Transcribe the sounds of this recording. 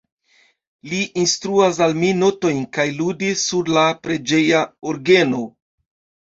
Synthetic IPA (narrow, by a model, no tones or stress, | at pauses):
liʔinstɾuas̬almino̞to̞jnkajludisːuɾlapɾe̞d͡ʒe̞jaoɾɡe̞no̞